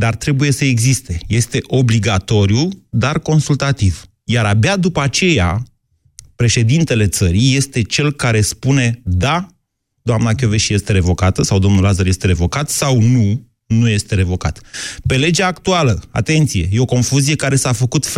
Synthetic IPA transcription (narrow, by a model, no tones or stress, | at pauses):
d̪art̪ɾe̞buje̞səe̞ɡzist̪e̞je̞st̪e̞ʔo̞bliɡat̪o̞ɾijud̪arko̞nsult̪at̪iv | jaɾabad̪upəat͡ʃe̞ja̰ | pɾe̞ʃe̞d̪int̪e̞le̞t̪səɾije̞st̪e̞t͡ʃe̞lkaɾe̞spune̞d̪a | d̪̥oamnakʲjo̞veʃje̞st̪e̞ɾe̞vo̞kat̪əsawd̪o̞mnulazəɾje̞st̪e̞ɾe̞vo̞kat̪sawnu | nuje̞st̪e̞ɾe̞vo̞kat̪pe̞le̞d͡ʒaːkt̪ualəa̰t̪e̞nt̪sije̞jeo̞ko̞nfuzije̞kaɾe̞safəkut̪f